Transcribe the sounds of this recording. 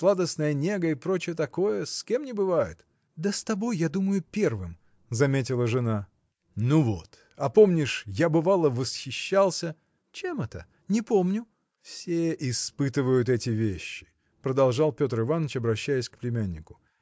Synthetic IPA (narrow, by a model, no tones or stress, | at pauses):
slˠad̪əsnəjənʲeɡəɪpɾo̞t͡ɕɪjət̪ɐko̞jəskʲe̞mnʲɪbɨvajɪ̰t̪ | d̪əst̪ɐbo̞jːad̪uməjʊpʲe̞rvɨm | zɐmʲetʲɪlˠəʐɨna | nuvo̞t̪ | ɐpo̞mnʲɪʂjabɨvalˠəvəsxʲɪɕːalˠsʲə | t͡ɕemɛt̪ə | nʲɪpo̞mnʲʊ | fsʲeʔɪspɨt̪ɨvəjʊt̪ɛtʲɪvʲeɕːɪ̥ | pɾəd̪ɐlˠʐɑlˠpʲo̞t̪rɨvanːət͡ɕɐbɾɐɕːæjɪsʲkplʲɪmʲænʲːɪkʊ̥